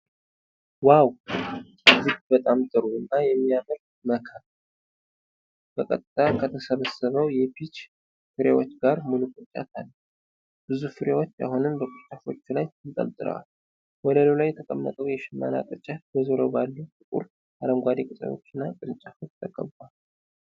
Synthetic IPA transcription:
waw | əzɨɡbət̪ʼamt̪ʼɨɾuɨnːajɛmːijaməɾ | məkʰə | b̥əkʼət̪ʼɨt̪ʼʰːakʰət̪ʰəsəβəsːəβəwjɛpʰit͡ʃ | fɨɾjewo̞t͡ʃːɡaɾmulukʼɨt͡ʃʼa̰t̪ʰalː | b̥ɨzufɨɾjewo̞t͡ʃːa̰hunɨmbəkʼɨt͡ʃʼafo̞t͡ʃːulajɨnk̪ʼə̰lt̪ʼɨɾə̰wa̰l | wɔləlolajɛt̪ʰəkʼəmːə̰t̪ʼəwjɛʃɪmːa̰na̰kʼɨt͡ʃʼat̪bəzoɾəwbalːutɨkʼṵɾ | aɾəmɡʷad̪ekʼɨt͡sʼə̰jo̞̰t͡ʃːɪnːakʼɨɾɨnt͡ʃʼafo̞t͡ʃt̪ʰəkʼəβːal

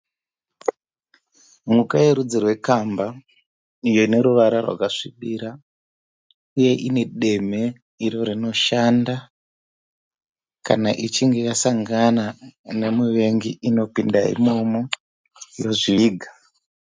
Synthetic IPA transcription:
mukajeɾud͡zirwe̞kamba | ijoine̞ɾuʋaɾarwa̰kaʂiɓiɾa | uje̞ʔine̞ɗe̞me̞ | iɾo̞ɾino̞ʃanda | kanaʔit͡ʃiŋɡe̞jasaŋɡanane̞miʋe̞ŋɡiʔino̞pindaḭmomo | jo̞ʐiiːɡʱa

